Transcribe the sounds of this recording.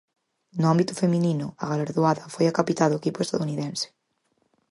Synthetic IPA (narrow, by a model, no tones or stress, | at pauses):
nʊambit̪ʊfemĩnĩnʊaɣalaɾðuaðɐfojakapit̪alðʊekipʊest̪aðuniðẽnsɪ̥